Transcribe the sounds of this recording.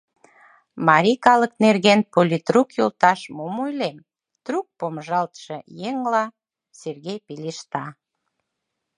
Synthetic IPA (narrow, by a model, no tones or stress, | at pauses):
mɑɾʲikɑləknerɣenpolʲit̪rukjolt̪ɑʃmomojlem | t̪ruk̚pomʒɑlt̪ʃejeŋlɑ | serɣejpiliʃt̪ɑ